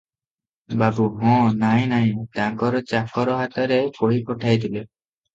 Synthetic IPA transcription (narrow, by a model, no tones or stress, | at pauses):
babuɦɔ̃najnajt̪aŋkɔɾɔt͡ɕakʰɔɾɔɦat̪aɾekoɽikɔʈʰajt̪ile